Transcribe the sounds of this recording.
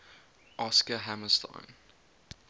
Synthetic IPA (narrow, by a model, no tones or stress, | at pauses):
ʔɑskəɦæməstʰã̰ɪn